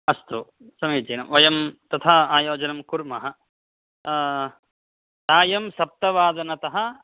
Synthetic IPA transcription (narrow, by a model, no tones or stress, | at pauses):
ɐst̪u | sɐmiːd͡ʒɐːnɐmʋɐjɐmt̪ɐt̪ʰaːaːjoːd͡ʒɐnɐmkuɾmɐɦɐ̆ | t̪aːjɐmsɐp̚t̪ɐʋaːd̪ɐnɐt̪ɐɦɐ̆